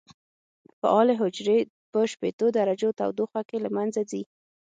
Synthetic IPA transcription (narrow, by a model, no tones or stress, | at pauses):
fa̰ʔɑleɦʊd͡ʒɾe | pəʃpet̪od̪aɾad͡ʒot̪a̰wd̪oxakelamanzazi